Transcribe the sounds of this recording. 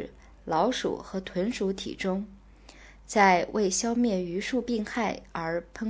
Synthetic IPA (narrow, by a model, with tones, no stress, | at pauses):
lɑ˧˥ʊʂṵ˨˩xɤ˧˥t̪ʰwə˧˥nʂu˧˥t̪ʰḭ˨˩ʈ͡ʂʊ˥ŋ | t͡sa˥˧ɪwʔe˥˩ɪɕjɑ˥ʊmjɛ˥˩ny˧˥ʂu˥˧pi˥˧ŋxa˥˩ɪə˞˧˥pʰɤ˥ŋ